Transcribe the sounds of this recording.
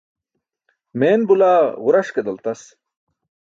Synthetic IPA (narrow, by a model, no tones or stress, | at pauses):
meːnbulaːʁʊɾɐʂked̪ɐlt̪ɐs